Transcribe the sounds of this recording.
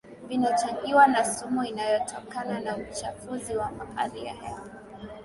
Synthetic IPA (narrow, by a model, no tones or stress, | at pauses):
vinat͡ʃaʄiwanasumuinajɔtʰɔkananaut͡ʃafuziwamaka̰ɾija̰hɛ̰a